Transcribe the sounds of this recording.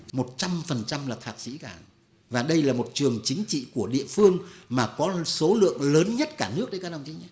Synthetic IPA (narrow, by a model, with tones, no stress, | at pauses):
mo˨˩t̚t͡ɕa˧mfə˨˩nt͡ɕa˧mlaː˨˩t̪ʰaː˨˩t̚sḭ˧˥kaː˧˩ | vaː˨˩ɗə˧jlaː˨˩mo˨˩t̚t͡ɕɨ˨˩əŋt͡ɕï˨˦ŋ̟t͡ɕḭ˧˨ku˧˩əɗḭ˧˨əfɨ˧əŋmaː˨˩kɔ˨˦so˨˦lɨ̰˧˨əŋləː˨˦nɲə˦˥t̚kaː˧˩nɨ˦˥ək̚ɗə˨˦kaː˦˥kɗə˨˩wt͡ɕi˨˦ɲa˧˦